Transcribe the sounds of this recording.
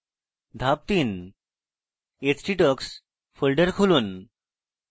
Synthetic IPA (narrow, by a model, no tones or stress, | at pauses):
d̪ʱap̚t̪iːn | et͡sʈiʈəks | fəlɖəɾkʰoluːn